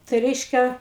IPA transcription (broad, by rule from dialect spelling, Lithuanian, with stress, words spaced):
tɐɪ ˈrʲɛɪʃʲkʲɛ